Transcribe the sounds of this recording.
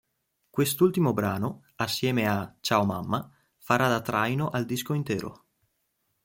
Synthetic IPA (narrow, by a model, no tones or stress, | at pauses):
kwest̪ult̪imobɾaːno | asːjɛːmeat͡ʃaːomamːa | faɾad̪at̪ɾajnoʔald̪iskoint̪ɛ̰ːɾo̰